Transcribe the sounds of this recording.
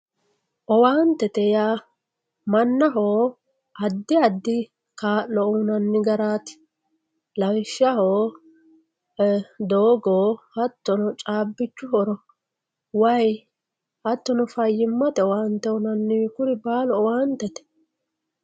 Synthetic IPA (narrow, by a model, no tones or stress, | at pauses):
ʔɔwaːnt̪ɛt̪ɛjaː | mɐnːɐɦoː | ɐd̪ːɪɐd̪ːɪ | kaːlːɔʊnɐnːɪɡɐɾaːt̪ɪ̥ | lɐwʃɐhoː | d̪oːɡoːhɐt̪ːɔnɔt͡ʃʼaːbːɪt͡ʃːʊɦɔɾɔ | wɐj | hɐt̪ːɔnɔfɐjːɪmːɐt̪ɛɔwaːnt̪ːɛʊnɐnːɪɪkʊɾɪbaːlɔɔwaːnt̪ɛt̪ɛ̥